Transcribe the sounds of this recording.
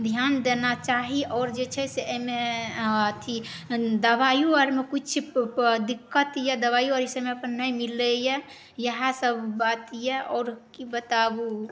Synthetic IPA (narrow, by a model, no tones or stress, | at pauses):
d̪ʱjand̪enat͡ʃaɦiʔɔːɾd͡ʒet͡ʃʰɛseəmeət̪ʰi | d̪əbajuəɾmekut͡ʃʰd̪ikːət̪jed̪əβajuəɾisəmeəpənːəjmilejɛ | jəɦãsəbʱbat̪jeʔɔːɾkibət̪abu